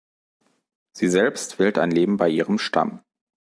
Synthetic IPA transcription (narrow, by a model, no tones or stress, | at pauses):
z̥iːzɛlpstv̥ɪltaɪnleːbm̩baɪʔiːʁəmʃta̰m